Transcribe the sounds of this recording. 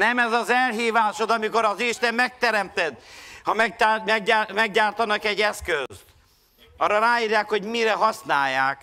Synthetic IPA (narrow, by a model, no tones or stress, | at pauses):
nɛmɛzɒzɛlɦiːvaːʃod̪ɒmiko̞ɾɒziʃt̪ɛmːɛk̚t̪ɛɾɛmt̪ɛd̪hɒmɛmɛɡamɛɡɟaːrt̪ɒnɒkɛɟːɛskøst̪ | ɒrːɒraːɦiːrjaːkho̞ɟmiɾɛɦɒsnaːjːaːk